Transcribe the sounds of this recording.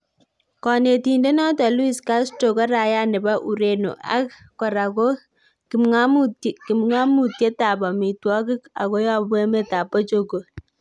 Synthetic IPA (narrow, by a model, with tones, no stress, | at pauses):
kɔ˨ne˨ti˨nde˦nɔ˦tɔ˨lwi˨ska˦sto˨kɔ˦ɾa˨ja˦nɛ˨ba˦ʔu˨ɾe˨no̰˨ʔa̰˦kː | ɔ˨ɾa˨ko˦ | kɪ˨mŋa˦mu˦tkɪ˨mŋa˦mu˨tje˦ta˨bɔ˨mi˨twɔ˦kɪ˦ka̰˨ko˦jɔ˦bwe˦me˦ta˨pːɔ˦t͡ʃo˦ɡo˨